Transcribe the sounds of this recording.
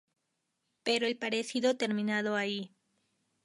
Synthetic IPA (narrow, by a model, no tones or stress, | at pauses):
peɾoelpaɾesiðot̪e̞ɾmĩnað̞oai